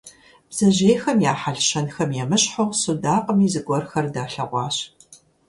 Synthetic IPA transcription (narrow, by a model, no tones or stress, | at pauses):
b̥z̥ɐʑeːxɐmjaːħaɮɕɐnxɐmjɛmɨɕħowsudaːqʼəmiːzɨɡʷɔrxɐrdaːɬɐ̰ʁʷɑ̰ːɕ